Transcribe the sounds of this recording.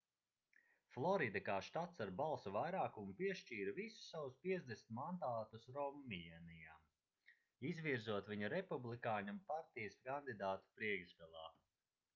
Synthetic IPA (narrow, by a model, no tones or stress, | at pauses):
flˠɔɾid̪akaːʃt̪at̪saɾbalˠsuvajɾaːkumupiɛʃt͡ʃiːɾvisu̥ssːawuspiɛzd̪esnʲt̪mand̪aːt̪usɾɔmːiɛnijaː | izviɾzuɔt̪viɲuɾɛpublˠikaːɲumpaɾt̪ijəskand̪id̪aːt̪u̥pɾiɛɡzd̪ɛlˠa̰ː